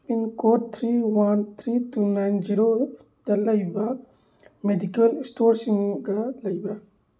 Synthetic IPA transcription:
inkoɾt̪ʰɾiwɐnt̪ʰɾitunajnd͡ʒiɾo | d̪̥ɐlɐjba | medikɐlsʈoːɾsĩŋɡalɐjba

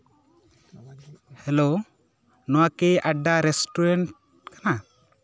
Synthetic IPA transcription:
hɛlo | nɔwakeʔaɖːaɾɛsʈɔɾɛɳʈ | kana

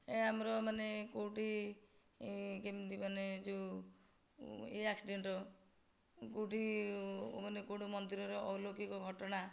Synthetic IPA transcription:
eamɾɔmanekowʈi | kemdimaned͡ʒu | ḛaksiɖeɳʈɔ | kowʈi | manekowʈimɔnd̪iɾɔɾeɔwloɡikɔɡʱɔʈɔɽ̃a

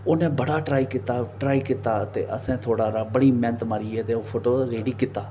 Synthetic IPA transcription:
oːnẽːbəɽaːʈɾaːiːkɪt̪aːʈɾaːiːkɪt̪aːt̪ḛːʔəsẽːt̪ʰoːɽaːɾaːbəɽiːmɛ̃ːnt̪maɾiːɛːt̪eːoːpʰoːʈoːɾeːɖiːkɪt̪aː

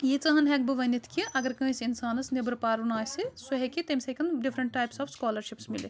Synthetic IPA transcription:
jit͡sɐɦɐnɦɛk̚bɨʋɐnit̪ʰkiʔɐɡɐɾkɐ̃ːsinsaːnɐsnebɐɾpaːɾunaːsisuɦekit̪ɐmʲsɐkɐnɖifʰɾɐɳʈːaːjpsɐːbskaːlɐɾʃipsmilḭ

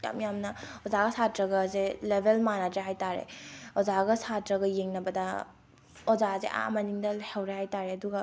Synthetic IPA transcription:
ja̰mjamnɐɔzaɡɐsatɾɐɡɐzelebʱelmanad͡ʒeɦajtaɾḛɔzaɡɐsatɾɐɡɐjeŋnɐbɐdɐ | ɔzazḛʔa̰mɐniŋdɐhawɾehajtaɾeɐduɡɐ

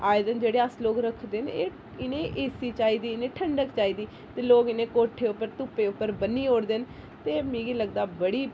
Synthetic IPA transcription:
aːɪd̪ənd͡ʒeːɽeːəsloːkɾəkʰd̪eːneː | ɪnẽːʔeːsiːt͡ʃaːiːd̪iːɪnẽːʈʰəɳɖəkt͡ʃaːiːd̪iː | t̪eːloːkɪnẽːkoːʈʰeːʊpːəɾt̪ʊpːeːʊpːəɾbənːiːoːɽd̪en | t̪eːmĩːɡiːləɡ̚d̪aːbəɽiː

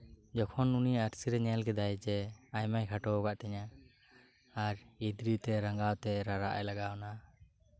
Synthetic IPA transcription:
d͡ʒɔkʰɔnuniaɾsiɾɛɲɛlɡɛd̪ajd͡ʒɛajmajkʰaʈɔɔɡaʔt̪ɛɲa | aɾid̪ɾit̪ɛɾaŋɡawt̪ɛɾaɾaʔa̰jlaɡawna

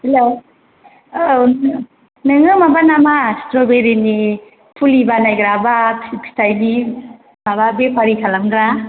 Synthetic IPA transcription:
helo | nɯŋɯmabanamastɾobeɾini | pʰulibanajɡɾabapʰipʰi̥sajni | mababepʰaɾikʰalamɡɾa

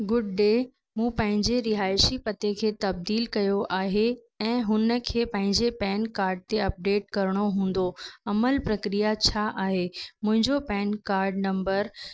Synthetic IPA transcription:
ɡʊɖɖeː | mũːpɐ̃ɦɪ̃ɲd͡ʑeɾɪɦaːɪʃipɐt̪ekʰeːt̪ɐb̚d̪iːlkɐjoʔaːɦe | ɛ̃ːɦʊnə̆kʰeːpɐ̃ɦɪ̃ɲd͡ʑepɛːnkaːɾɖ̚t̪eɐp̚ɖeːʈ̚kɐɾəɽ̃oɦũːn̆d̪oɐməlpɾɐkɾijat͡ɕʰaʔaːɦemʊ̃ɦɪ̃ɲd͡ʑopɛːnkaːɾɖnɐ̃mbəɾ

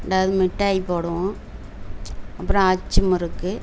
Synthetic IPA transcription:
ɽaːʋɐðɯmɪʈːaːjipoːɽɯ̃ | ɐpːɯɾɔ̃ɐt͡ʃːɯmɪɾɯkːɯ

